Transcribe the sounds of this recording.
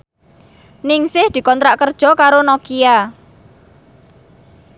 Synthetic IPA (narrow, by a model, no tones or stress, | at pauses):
nɪŋsɪhd̪̥i̤kɔnt̪ɾaʔkərd̥ʒ̥ɔ̤kaɾonɔkia